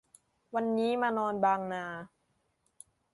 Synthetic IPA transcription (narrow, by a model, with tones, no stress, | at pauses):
wa˧nːiː˦˥maː˧nɔː˧nbaː˧ŋnaː˧